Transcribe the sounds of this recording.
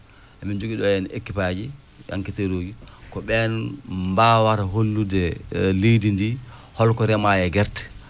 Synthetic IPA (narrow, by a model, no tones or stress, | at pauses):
ʔamind͡ʒoɡiɗɔjɛnḛkːipad͡ʒi | ja̰ŋkiteɾoːɡikɔɓɛnmbawaɾɦolːudɛlejdindihɔlkɔɾɛmajɛɡɛɾtɛ̥